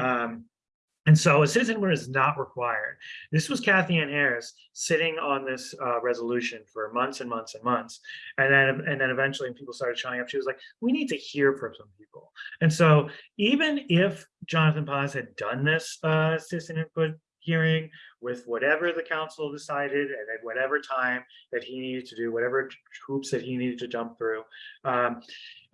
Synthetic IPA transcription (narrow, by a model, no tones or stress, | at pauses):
ɨ̃nsoʊɨsɪɾɨzɨ̃nwə˞ɨznəʔ̚ɹəkʰw̥aɪə̰˞d̪̚ðɪswʌz̥kʰæθiɨ̃nɛɹɨs | sɪɾɪ̃ŋə̃nðɪsʌɹɛzəlʉʃɨ̃nfə˞mʌ̃nθsɨ̃nmʌ̃nθsɨ̃nmʌ̃nθsɨ̃nðɨ̃nɨɨ̃nðɨ̃ñɨvɛ̃nt͡ʃl̩ˠiw̃ɨ̃npʰipl̩ˠstɑɹɾɨd̚t͡ʃʰaɪɪ̃ŋʌpʃiwʌzlaɪk̚winid̚tɨhiɹfɹə˞sʌ̃mpʰipl̩ˠɨ̃nsoʊivɨ̃nɪfd̥ʒ̥ɑnɨθɨ̃npʰɑz̥hɨdʌ̃nðɪsʌsɪsɨ̃nɪ̃npʊt̚ | hiɹɪ̃ŋwɪðwʌɾɛvə˞ðɨkʰãʊ̃nsl̩ˠdɨsaɪɾɪɾɨ̃nɨt̚wʌɾɛvə˞tʰãɪ̃mðɨt̚hiniɾɨd̚tʰɨdɨwʌɾɛvə˞tʰɹ̥upsðɨt̚hiniɾɨd̚tʰɨd͡ʒʌ̃mp̚θɹʉʌ